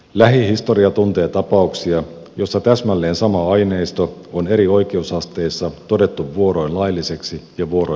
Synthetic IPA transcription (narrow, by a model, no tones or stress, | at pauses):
læɦihist̪o̞ɾiɑt̪unt̪e̞ːt̪ɑpɑuksiɑ | jo̞sːɑt̪æsmælːe̞ːnsɑmɑɑjne̞jst̪oone̞ɾio̞jk̟e̞usɑst̪e̞jsːɑt̪o̞de̞t̪ːuʋːuo̞ɾo̞jnlɑjlːise̞ksijɑʋuo̞ɾo